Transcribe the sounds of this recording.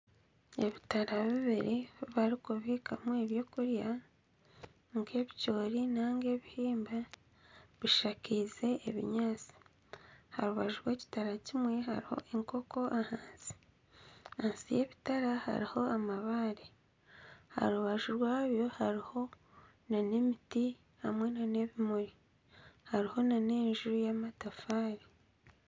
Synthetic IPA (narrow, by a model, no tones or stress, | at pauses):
e̞βitaɾaβiβiɾeβaɾikuβiːkamoeβjo̞ːkuɾja | ŋɡe̞ːβico̞ːɾinaːŋɡe̞βihiːmba | βiʃakize̞ʔːβḭɲaːt͡si̥ | haɾuβaʒuɾwe̞ːci̥taɾacimwe̞ha̰ɾiho̞̰ʔeŋko̞ko̞ʔahaːnzi̥ | ansije̞ːβitaɾaha̰ɾiho̞amaβaɾe | ha̰ɾuβaʒuɾwaːβjo̞haɾiho̞ | nanemiti | hamwe̞nane̞βimuɾi | haɾiho̞nane̞ːnʒuɾujamatafaːɾi